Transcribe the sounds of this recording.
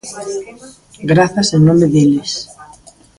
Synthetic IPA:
ɡɾaθaseŋnõmeðeles

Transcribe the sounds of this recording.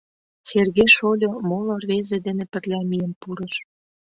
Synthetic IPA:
serɣeʃolʲomolorβezed̪enepə̆rlʲæmijəmpuɾə̆ʃ

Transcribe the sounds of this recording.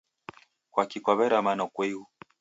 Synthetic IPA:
kwakikɔβɛɾamanɔkwɛu

